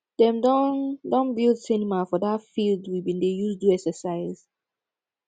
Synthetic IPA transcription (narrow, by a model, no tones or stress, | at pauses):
d̥ɛ̃mdɔndɔ̃nbildsinimafɔdatfildwibĩndejuzduɛksəsaɪz̥